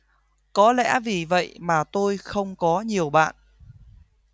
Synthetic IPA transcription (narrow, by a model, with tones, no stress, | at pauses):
kɔ˨˦lɛ̰˧˥vi˨˩və̰˧˨jmaː˨˩t̪o˧jxə˧wŋ͡mkɔ˨˦ɲi˨˩əwɓa̰ː˧˨n